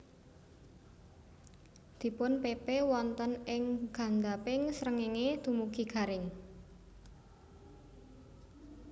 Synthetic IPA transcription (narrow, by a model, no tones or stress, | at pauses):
d̪̥i̤pʊnpepewɔnt̪ənɪŋɡ̥a̤nd̪apɪŋsɾəŋeŋed̪̥ṳmuɡ̥iɡ̥a̤ɾɪŋ